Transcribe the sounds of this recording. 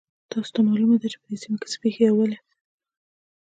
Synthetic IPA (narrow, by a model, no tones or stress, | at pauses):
t̪ɑso̥t̪amɑlumad̪at͡ʃe̥pəd̪esimekɪ̥t͡sə̥pexejawəle